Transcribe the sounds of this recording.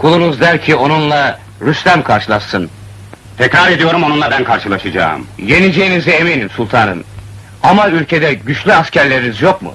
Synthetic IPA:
kʰulˠunuzd̪æɾcʰio̞nunlˠa | ɾyslʲæmkʰaɾʃɯlˠaʃɯn | t̪ʰɛcɾaɾe̞d̪ijo̞ɾumo̞nunˠabænkʰaɾʃɯlˠaʃɯd͡ʒa̰ːmje̞nid͡ʒe̞jiniziemenimsulˠt̪ʰaːnɯ̰m | amaylʲcʰe̞d̪ɛɟyt͡ʃlʲyascʰæɾlʲe̞ɾinizjo̞k̚mṵ

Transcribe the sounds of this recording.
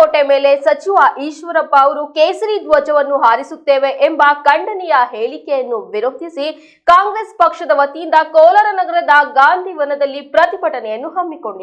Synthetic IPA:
oʈːemeːle̞sɐt͡ʃiʋaːʔiːʃʋɐɾɐpːɐːʋɐɾukeːsɐɾid̪ʋoːt͡ʃɐʋɐnːuɦaːɾisut̪ːeːʋeʔembɐkɐɳɖɐnijɐɦeːɭikejɐnːuʋiɾot̪isi | kaːŋɡɾespɐkʂɐd̪ɐʋɐt̪ijind̪ɐkɔːlɐɾɐnɐɡɐɾɐd̪ɐɡaːnd̪ʱiʋɐnɐd̪ɐlːipɾɐt̪ibɐʈɐnɛjɐnːuɦɐmːiko̞ɳɖi

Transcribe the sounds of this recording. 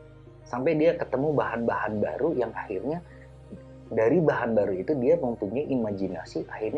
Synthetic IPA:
sampajdiakət̪əmubahanbahanba̰ɾujaŋahirɲa | daɾibaɦanbaɾuit̪udiaməmpuɲajʔimad͡ʒina̰siʔahirɲ

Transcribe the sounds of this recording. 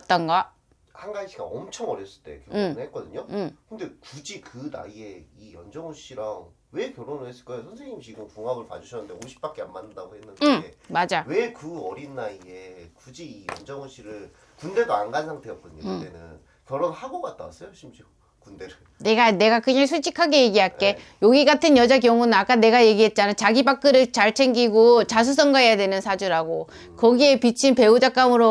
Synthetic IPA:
t͈ʌnɡʌ | hanɡaɕʰiɡa̰ʌmt͡ɕʰʌŋʌɾjʌs͈ɯɭt͈e̞̰kjʌoɯɭhet̚k͈ʌdɯɲokɯnde̞kud͡ʑikɯna̰ie̞ijʌnd͡ʑʌŋuɕ͈iɾaŋ | we̞kjʌɾonɯɭhes͈ɯɭk͈ʌjosʰʌnsʰe̞ŋɲimt͡ɕiɡɯmkuŋaɡɯɭpa̰d͡ʑuɕʰʌnɯndeoɕʰi̥p͈ak͈eamːanːɯndaɡohenːɯndeemad͡ʑawe̞kɯʌɾinːaie̞kud͡ʑiijʌ̰nd͡ʑʌŋuɕ͈iɾɯɭ | kunde̞ɡaːnɡansʰaŋtʰejʌ̰t̚k͈uɲikdenɯ̰n | kjʌɾʌnhaɡoɡat̚t͈a̰s͈ɯʌɕʰimd͡ʑio | kunde̞ɾɯ | ne̞ɡane̞ɡakɯɲaŋsʰut͡ɕʰikʰaɡe̞je̞ɡiɦae̞joɡiɡatʰɯnjʌd͡ʑakjʌŋunɯnak͈ane̞ɡaje̞ɡiɦe̞t̚t͡ɕ͈anɯt͡ɕaɡibak͈ɯɾɯɭt͡ɕaɭt͡ɕʰe̞ŋɡiɡot͡ɕas̬ʰus̬͈ʰʌŋɡaɦejadwe̞nɯnsʰad͡ʑuɾaɡo | kʌɡie̞pit͡ɕʰinpe̞ud͡ʑak͈amɯɾo

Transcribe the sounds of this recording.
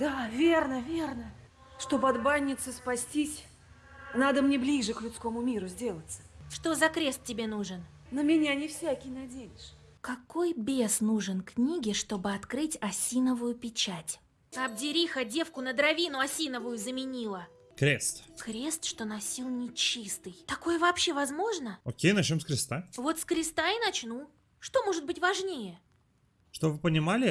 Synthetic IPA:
d̪avʲe̞rnəvʲe̞rnə | ʂt̪o̞bɐd̪banʲːɪt̪sɨspɐsʲtʲisʲ | nad̪əmnʲeblʲiʐɨklʲʊt̪sko̞mʊmʲiɾʊzʲdʲe̞lˠət̪sə̥ʂt̪o̞zɐkɾʲe̞st̪̚ʲːɪbʲe̞nuʐɨn | nəmʲɪnʲanʲɪfsʲakʲɪjnɐdʲejɪʂ | kɐko̞jbʲe̞snuʐɨnknʲiɡʲɪʂt̪o̞bɨɐt̪kɾɨtʲɐsʲinəvʊjʊpʲɪt͡ɕætʲ | ɐb̚dʲɪɾʲixədʲe̞fkʊnəd̪ɾɐvʲinʊɐsʲinəvʊjʊzəmʲɪnʲilˠə | kɾʲest̪kɾʲe̞st̪ʂt̪o̞nɐsʲilˠnʲɪt͡ɕist̪ɨjt̪ɐko̞jəvɐpɕːe̞vɐzmo̞ʐnəokʲejnɐt͡ɕnʲomskɾʲɪst̪avo̞t̪skɾʲɪst̪ainɐt͡ɕnu | ʂt̪o̞mo̞ʐɨt̪̚bɨtʲvɐʐnʲejə | ʂt̪obvɨpənʲɪmalʲɪ

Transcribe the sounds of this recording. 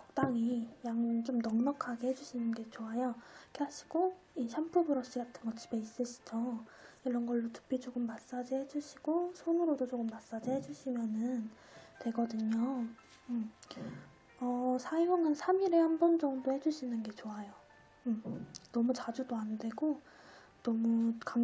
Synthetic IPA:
kʌ̥k̚t͈aŋijaŋnt͡ɕomnʌŋnʌkʰaɡehe̞d͡ʑuɕʰinɯnɡe̞t͡ɕoajokʰeɦaɕʰi̥ɡ̥o | iɕʰampʰubɯɾʌɕ͈iɡatʰɯnɡʌt͡ɕ͈ibe̞is͈ɯɕʰi̥d͡ʑʌiɾʌnɡʌɭːotʰɯ̥pʰit͡ɕoɡɯmːas͈ad͡ʑihe̞d͡ʑuɕʰiɡ̥osʰonɯɾodot͡ɕoɡɯmːas͈ad͡ʑihe̞d͡ʑuɕʰimjʌnɯn | twe̞ɡʌdɯɲo | ʌsʰajoŋɯnsʰamiɾe̞hanbʌnd͡ʑʌŋdohe̞d͡ʑuɕʰinɯnɡe̞t͡ɕoajo | nʌmut͡ɕad͡ʑudoande̞ɡo | nʌmuka

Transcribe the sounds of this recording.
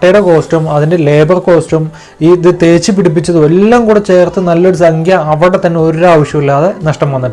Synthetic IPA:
ʈːɐjɽeko̞ːsʈumɐðinde̞le̞ːbɐrko̞ːsʈum | iːðɨt̪e̞ːt͡ɕːipiɽip̬ːit͡ɕːɐðɨelːaːmkuːɽet͡ɕe̞ːrt̪ːɨnɐlːoɾusɐŋɡjɐɐʋɐɽet̪ɐnːeo̞ɾɾaːʋɐʂjɐmilːaːðenɐʂʈɐmʋɐnːiʈːɨ

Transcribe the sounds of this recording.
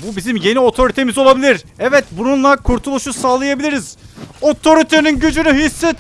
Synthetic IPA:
bubizimje̞nio̞t̪ʰo̞ɾit̪ʰemizo̞lˠabilʲiɾɛvɛt̪bununlˠakʰuɾt̪ʰulˠuʃusaːlˠajabilʲiɾiz̥o̞t̪ʰo̞ɾit̪ʰeninɟød͡ʒynyɦisːɛt̪

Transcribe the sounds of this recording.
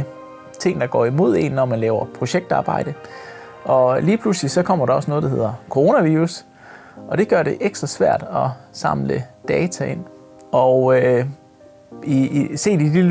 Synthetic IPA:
t͡sʰe̝ŋ̰nd̥ɑ̈ɡ̥ɒ̰ːimo̝ð̞̰ˠe̝̰nːɒmænlɛːʊɐpʰʁo̝ɕeɡ̥̚d̥ɑ̈ːb̥ɑ̈ɪ̰d̥ə | ɒ̽liːpʰluslisɒ̽kʰɒ̽m̰ɐɾ̥ɑ̈ɒ̽snɔːð̩ˠdɑ̈he̝ð̰ˠɐkʰo̝ʁo̝ːnæʋiːʁus | ʔɒ̽d̥e̝ɡ̥ɶɐɾ̥e̝ʔeɡ̥sd̥ʁɐsʋæɐ̰d̥ɒ̽sɑ̈mləd̥ɛːt͡sʰæe̝n̰ | ɒø | ise̝̰ːd̥id̥i

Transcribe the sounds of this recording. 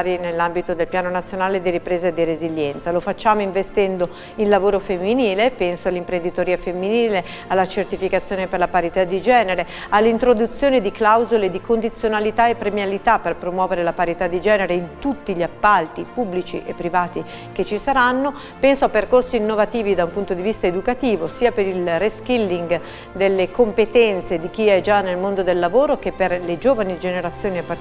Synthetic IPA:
ɾinelːambit̪od̪elpjaːnonat̪sːjonaːled̪iɾipɾeːzad̪ireziʎːɛnt̪salofat͡ʃːaːmoiɱvest̪ɛnd̪o | inlavoːɾofemːiniːlepɛnsoalːimpɾend̪it̪oɾiːafemːiniːle | alːat͡ʃert̪ifikat̪sːjoːneperlapaɾit̪ad̪ːid͡ʒɛːneɾe | alːeint̪ɾod̪ut̪sːjoːned̪iklawzoled̪ikond̪it̪sːjonalit̪aepːɾemjalit̪apːerpɾomwɔːveɾelapaɾit̪ad̪ːid͡ʒɛːneɾeint̪ut̪ːiʎiapːalt̪ipubːlit͡ʃḭʔepːɾivaːt̪i | k̟et͡ʃːisaɾanːo | pɛnsoapːerkorsiːnːovat̪iːvid̪aumpunt̪od̪ivist̪aed̪ukat̪iːvosiːapeɾilreskilːiŋɡ | d̪elːekompet̪ɛnt̪sed̪ik̟iɛd͡ʒanːelmond̪od̪elːavoːɾokepːerled͡ʒoːvanid͡ʒeneɾat̪sːjoːniapːa

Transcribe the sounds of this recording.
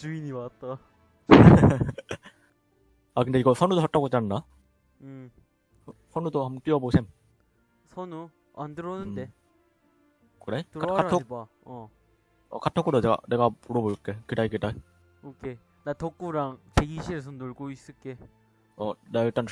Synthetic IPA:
t͡ɕuiɲimat̚t͈a | akɯnde̞iɡʌsʰʌnudosʰat͈aɡot͡ɕ͈anɯnːa | sʰʌnudohambʌnk͈iʌbosʰem | sʰʌnu | a̰ndɯɾʌnɯde | kɯɾetkakatʰo | ʌ̰katʰok͈udone̞ɡa̰ne̞ɡamuɾʌbok͈ekɯɾaikɯda | okʰe | natʌk͈uɾaŋt͡ɕeɡiɕʰiesʰʌnoɭɡois͈ɯɭk͈e̞ | ʌnaiɭt͈an

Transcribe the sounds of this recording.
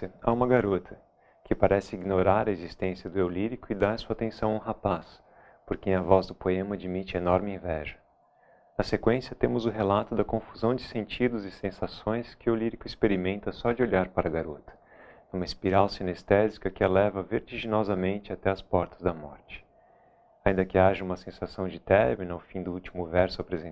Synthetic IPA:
ɐa̰ũmɐɡaɾot̪ʰɐ | kɪpaɾɛsɪiɡnoɾaɾɐezist̪ẽsjɐd̪ʊewliɾikʊɪd̪aɾɐsuat̪ẽsɐ̃w̃aũɦapas | poɾkẽj̃ɐvɔzd̪ʊpoẽmɐad͡ʒimit͡ʃɪɐenɔɾmɪĩvɛ̰ʒɐ | nɐsekwẽsjɐt̪ẽmʊzʊɦelat̪ʊd̪ɐkõfuzɐ̃w̃d͡ʒɪsẽnt͡ʃid̪ʊzɪsẽsasõj̃skɪʊliɾikʊispeɾimẽnt̪ɐsɔd͡ʒɪoʎaɾpaɾɐɡaɾot̪ɐ̥ | ũmɐɪspiɾawsinest̪ɛzikɐkɪalɛvɐveɾt͡ʃiʒinɔzɐmẽnt͡ʃɪat̪ɛɐspɔɾt̪ɐzd̪ɐmɔ̰ɾt͡ʃɪ̥ | aĩnd̪ɐkɪaʒɐũmɐsẽsasɐ̃w̃d͡ʒɪt̪ɛɾmĩnʊawfĩd̪ʊut͡ʃimʊvɛɾsʊapɾezẽ

